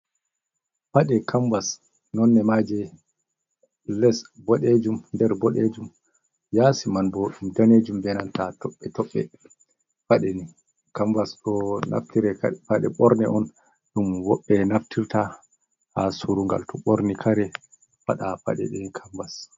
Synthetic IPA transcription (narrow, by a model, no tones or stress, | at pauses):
faɗɛkʰambas | nɔnːɛmad͡ʒɛ | lɛsbɔɗed͡ʒumndɛɾbɔɗed͡ʒum | jasimanboːɗumdaned͡ʒumbɛnantatɔɓːɛtɔɓːɛ | faɗɛni | kambasɗɔna̰ftiɾɛfaɗɛɓɔɾnɛ̰ʔɔn | ɗumwɔɓːɛnaftʰiɾta | hasuɾuŋɡa̰ltɔɓɔɾnikʰaɾɛ | faɗafa̰ɗɛ̰ɗɛkʰambas